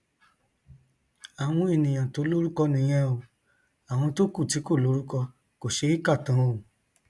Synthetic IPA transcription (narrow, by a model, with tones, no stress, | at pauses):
a˨w̃ɔ̃˧˦e˨nĩ˨j̃ã˨to˨˦lo˦ɾu˦kɔ˧nĩ˨˧˦j̃ɛ̃˧o˧ | a˨w̃ɔ̃˧to˦ku˦˨ti˨˦ko˦˨lo˨˦ɾu˦kɔ˧ | ko˨ʃe˧˦i˦ka˦˨tã˨˦o˨